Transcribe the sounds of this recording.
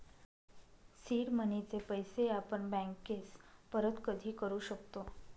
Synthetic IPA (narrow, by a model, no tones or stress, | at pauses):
siːɾmənit͡sepəjseapəɳbæ̃ŋkespəɾət̪kəd̪ʱiːkəɾuːɕəkt̪o